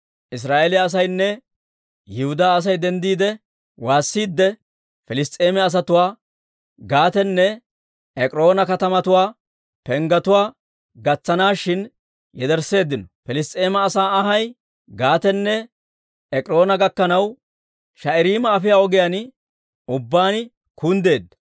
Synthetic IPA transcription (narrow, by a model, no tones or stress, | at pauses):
ʔɪs̬ɾaːʔelɪːs̬ɐjnːɛ | jɪhʊd̪aːs̬ɐjd̪ɛnd̪iːd̪ɛ | waːsːiːd̪ːɛ | fɛlɪst̪ʼeːmɛɐs̬ɐt̪ʊwaː | ɡaːt̪ɛnːɛ | ɛkʼɾo̞ːnɐkɐt̪ɐmɐt̪ʊwaː | pɛŋɡɐt̪ʊwaː | ɡɐt͡sːɐnaːʃɪn | jɛd̪ɛɾsːe̞ːd̪ːɪnɔfɛlɪst̪ʼe̞ːmɐːsaːɐɦɐj | ɡaːt̪ɛnːɛ | ɛkʼɾo̞ːnɐɡɐkːɐnɐw | ʃɐʔɛɾiːmɐːfɪjaːɔɡɪjan | ʊbːaːnɪ | kund̪e̞ːd̪ːɐ̥